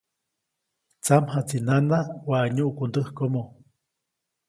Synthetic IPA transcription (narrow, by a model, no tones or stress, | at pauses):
t͡samɦat͡sinanawaʔɲuʔkund̪əhkomo